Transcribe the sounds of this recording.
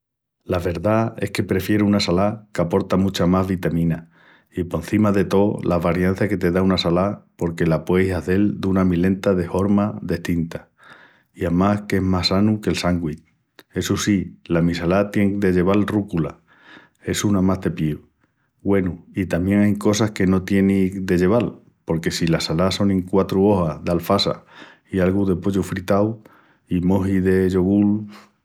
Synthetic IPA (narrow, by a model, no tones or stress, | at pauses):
laβe̞ɾðae̞hke̞pɾe̞fje̞ɾunasalakapo̞ɾt̪amut͡ʃamazβit̪amĩna | ipo̞n̟θimaðe̞t̪o̞laβaɾjanθake̞t̪e̞ðaunasalapo̞ɾke̞lapwe̞jsaðe̞ld̪unamilẽ̞nt̪aðe̞fo̞ɾmaðe̞ht̪int̪a | iamahkeɦmasanuke̞lsaŋɡwit̪ | e̞susilamisalat̪je̞ŋd̪e̞ʝe̞β̞alrukula̰ | e̞sunamazd̪e̞pjiu | ɣwe̞nuit̪amje̞ŋajko̞sahke̞no̞t̪je̞nid̪e̞ʝe̞β̞al | po̞ɾke̞silasalaso̞ŋẽŋkwat̪ɾuo̞haðalfasa̰ | ialɣuðe̞po̞ʎufɾit̪aw | imo̞ɦiðe̞ʝo̞ɣul